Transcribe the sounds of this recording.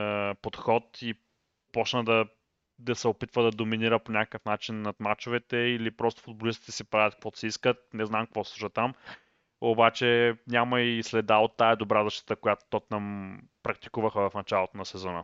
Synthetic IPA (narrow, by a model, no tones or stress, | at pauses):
pot̪xɔt̪i | pɔt͡ʃnəd̪ɐ | d̪ɐsɛopit̪vəd̪ɐd̪ominiɾəponʲakə̥kəfnat͡ʃinːɐt̪mat͡ʃovɛt̪ɛilipɾɔst̪o̥fʊd̪̚bolist̪it̪ɛ̥sipɾavʲət̪̚kvɔt̪sɛiskət̪̚nɛznamkvɔsslˠuʃət̪am | obat͡ʃɛnʲaməislɛd̪aot̪ːaɛd̪obɾazɐʃt̪ə̥t̪əkojat̪o̥t̪ɔnampɾɐk̚t̪i̥kuvəxəvɐfnɐt͡ʃalˠot̪onɐsɛzɔnə̰